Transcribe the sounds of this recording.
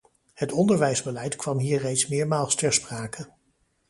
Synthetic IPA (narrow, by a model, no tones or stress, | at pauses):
hətɔndəɹʋɛjzbəlɛjtkʋɑmɦiːɹrejtsmɪːɹmaːlˠstɛɹspraːkʰə